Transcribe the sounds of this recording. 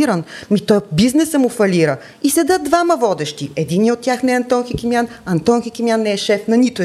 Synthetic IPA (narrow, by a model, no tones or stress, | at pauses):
iɾənmit̪ɔjbiznɛsəmʊfɐliɾə | isɛd̪ət̪̚d̪vamɐvɔd̪ɛʃt̪iɛd̪iniot̪̚ʲːjaxnɛɐnt̪ɔnxikʲimjanɐnt̪ɔnxikʲimʲjanːɛɛʃɛfnɐnit̪ʊ